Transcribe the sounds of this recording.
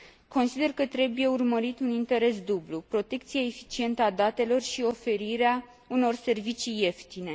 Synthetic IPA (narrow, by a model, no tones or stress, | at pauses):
ko̞nsid̪e̞rkət̪ɾe̞buje̞urməɾit̪unint̪e̞ɾe̞s̬d̪ublupɾo̞t̪e̞kt̪sijaefi̥t͡ʃie̞nt̪əad̪at̪e̞lo̞rʃio̞fe̞ɾiɾea | uno̞rse̞rvit͡ʃijːe̞ft̪ine̞